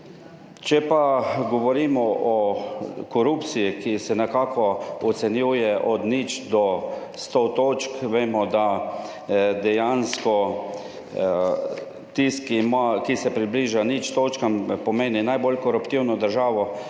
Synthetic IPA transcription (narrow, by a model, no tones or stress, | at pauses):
t͡ʃɛpaɡɔʋɔɾiːmɔʔɔ | kɔɾupt̪sijikisɛnɛkaːkɔɔt̪sɛnjuːjɛʔɔd̪nit͡ʃd̪ɔ | st̪ot̪oːt͡ʃkʋeːmɔd̪a | d̪ɛjanskɔ | t̪iskimakisɛpɾibliːʒanit͡ʃt̪oːt͡ʃkampɔmeːninajbolkɔɾupt̪iwnɔd̪əɾʒaːʋɔ